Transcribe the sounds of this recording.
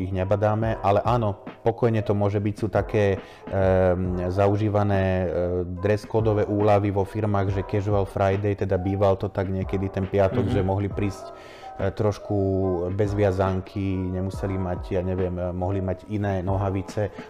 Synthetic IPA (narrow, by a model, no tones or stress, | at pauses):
iɣɲɛbad̪aːmɛʔalɛʔaːnɔpɔkɔjɲɛt̪ɔmʊɔʒɛbicsuːt̪akɛː | zauʒiːʋanɛːd̪ɾɛskɔːd̪ɔʋɛːʔuːlaʋiʋɔfiɾmaːɣʒɛkɛʒɔʋalfɾʔajd̪ɛjt̪ɛd̪abiːʋalt̪ɔt̪aɡɲɪɛkɛd̪it̪ɛnpɪat̪ɔɡʒɛmɔɦlipɾiːsc | t̪ɾɔʃkubɛzʋɪazaŋkʰiɲɛmusɛlimaɟjaɲɛʋɪɛmːɔɦlimaɟinɛːnɔɦaʋit͡sɛ